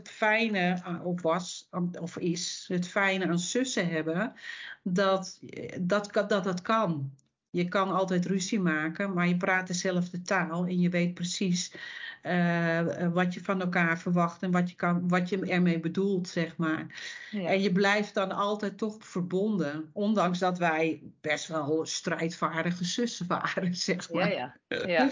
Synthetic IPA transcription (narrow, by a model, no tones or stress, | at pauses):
ətfɛjnəɔfʋɔsɔfɪsətfɛjnəansøsəɦɛbə | dɔtdɔtdɔt̚dɔtkʰɔn | jəkɔnɔlˠtɛjtrysimaːkəmarjəp̬raːtɛrsɛlˠəfdətʰaːlˠɛnjəʋeːt̚prəsis | ə | ʋɔtjəfɔnɛlˠkaːrfərʋɑxtɛnʋɔtjəkʋɔtjəɛrmejbədulˠtsɛxmarɛnjəblɛjft̚dɔnɔlˠtɛjtɔxfərbondəondɑŋsdɔtʋɛjb̥ɛstʋɔlˠstrɛjtfaːɹdəɣəsøsəʋa̰ːɾəsɛxma